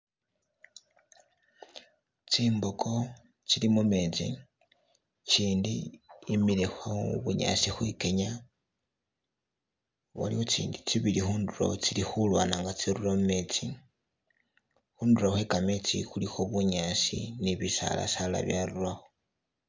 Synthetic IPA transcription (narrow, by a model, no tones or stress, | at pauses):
t͡siːmbokʰo̞ | t͡silimume̞t͡sḭ | t͡ʃiːndiːmilexwaβuɲa̰sixwike̞ɲa | βa̰liwot͡sḭːndit͡siβilixuːnduɾo̞̰t͡silixulwa̰ːnaːŋɡat͡siɾulomume̞t͡si | xuːnduɾoxwe̞kamet͡sixulixoβuɲasḭniβisa̰la̰sala̰βjalulwaxo